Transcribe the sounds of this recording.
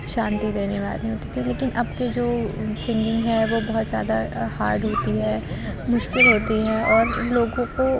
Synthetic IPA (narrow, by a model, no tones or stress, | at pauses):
ʃãːnt̪id̪eːneʋa̰ːliɦoːt̪it̪ʰɛ̃leːkɪnʔɐbked͡ʒoːsɪ̃ŋɡɪ̃ŋɡɦɛʋobɐɦɔt̪zja̰ːd̪ahaːɾɖɦoːt̪iɦɛːmʊʃkɪlɦoːt̪iɦɛɔːɾloːɡõko